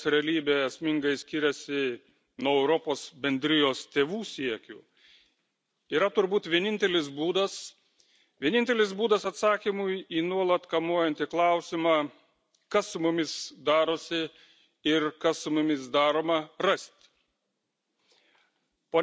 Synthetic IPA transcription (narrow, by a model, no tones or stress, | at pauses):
sɾʲɛlʲiːbʲeːɛsʲmʲɪŋɡɐɪsʲkʲɪɾʲɛsʲɪ | nuɔɛʊɾɔpoːsbʲɛnʲd̪ʲɾʲɪjoːst̪ʲeːʋuːsʲiɛkʲuː | iːɾɐt̪ʊɾbuːt̪ʋʲiɛnʲɪnʲt̪ʲɛlʲɪsbuːd̪ɐs | ʋʲiɛnʲɪnʲt̪ʲɛlʲɪsbuːd̪ɐsɐt̪sɑːkʲimʊjiːnuɔlˠɐt̪kɐmuɔjɛnʲt̪ʲɪklˠɐʊsʲɪmɑː | kɐsʊmʊmʲɪsd̪ɑːɾoːsʲɪ | ɪɾkɐssʊmʊmʲɪs̬d̪ɑːɾoːmɐɾɐsʲt̪ʲ | poː